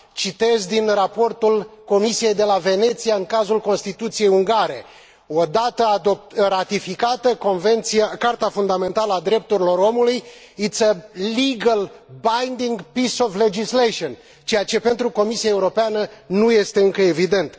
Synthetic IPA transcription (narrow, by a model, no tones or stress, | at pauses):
t͡ʃit̪e̞zʲd̪inrapo̞rt̪ulko̞misije̞jd̪e̞lave̞ne̞t̪sijaɨŋkazulko̞nst̪it̪ut̪sije̞juŋɡaɾe̞ | o̞d̪at̪əaoɾat̪ifikat̪əkonvent̪siakart̪afund̪ame̞nt̪aləad̪ɾe̞p̚t̪uɾilo̞ɾo̞muluj | it̪səliɡəlbajnd̪iŋɡpisofle̞d͡ʒisleʃion | t͡ʃe̞jat͡ʃe̞pe̞nt̪ɾuko̞misiaeuɾo̞peanənuje̞st̪e̞ɨŋkəe̞vid̪e̞nt̪